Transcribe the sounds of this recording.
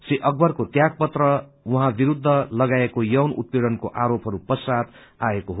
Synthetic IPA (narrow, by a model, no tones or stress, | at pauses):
siʔʌɡ̚bʌrkot̪jaɡ̚pʌt̪rʌwuɦãbiɾud̪ʱːʌlʌɡaekojʌwnṵt̪̚peɽʌnkoʔaɾopɦʌɾupʌsad̪ | aekoɦo